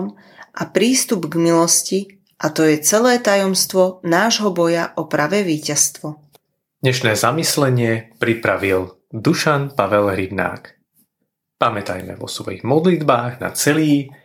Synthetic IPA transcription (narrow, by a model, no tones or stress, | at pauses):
m | ʔapɾiːst̪ubɡmilɔsci | ʔat̪ɔjɛt͡sɛlɛːt̪ajɔmst̪ʋɔnaːʒɦɔbɔjaʔɔpɾaʋɛːʋiːcast̪ʋɔ | d̪̥ɲɛʃnɛːzamislɛɲɪɛpɾipɾaʋil | d̪uʃanpaʋɛlɦɾibna̰ːk | pamɛt̪a̰jmɛ̰ʋɔ̰sʋɔ̰jḭɣmɔd̪lid̪baːɣna̰t͡sɛliː